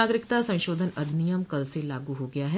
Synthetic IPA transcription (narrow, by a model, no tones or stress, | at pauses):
aːɡɾɪkt̪asɐ̃ʃoːd̪ʱənɐd̪nijəmkɐlselaːɡuɦoɡɐjaɦɛ